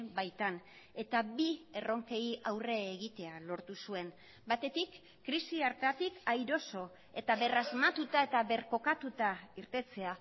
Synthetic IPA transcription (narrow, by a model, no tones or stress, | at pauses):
bajt̪an | e̞t̪abie̞ro̞ŋke̞jiawre̞ːɣit̪e̞alo̞ɾt̪usue̞n | bat̪e̞t̪ikː | ɾisiaɾt̪at̪ikajɾo̞so̞ | e̞t̪aβe̞razmat̪ut̪ae̞t̪aβe̞ɾko̞kat̪ut̪aiɾt̪e̞t͡se̞a